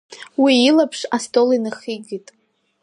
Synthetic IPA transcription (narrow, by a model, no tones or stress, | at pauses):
wiːlapʰʂastʼo̞linaχiɡʲitʼ